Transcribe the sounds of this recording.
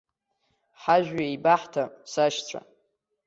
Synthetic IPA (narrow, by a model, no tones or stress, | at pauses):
ħaʒᶣɥaibaħtʰasaʃt͡sʷʰa̰